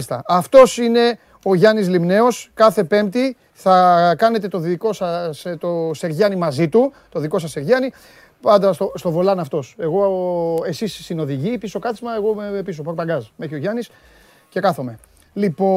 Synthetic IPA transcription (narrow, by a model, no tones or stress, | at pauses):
ist̪ɐɐft̪o̞sine̞ | o̞ʝɐnizlimne̞o̞skɐθe̞pe̞mt̪i | θɐkɐne̞t̪e̞t̪o̞ðiko̞sɐst̪ose̞ɾʝɐnimɐzit̪ut̪o̞ðiko̞sɐsːeɾʝɐni | pɐnd̪ɐst̪ost̪o̞vo̞lɐnɐft̪o̞se̞ɣo̞e̞sisːino̞ðiʝipisokɐθizmɐe̞ɣo̞meepisopokpɐɡɐzme̞çio̞ʝɐnis | ce̞kɐθo̞me̞ | lipo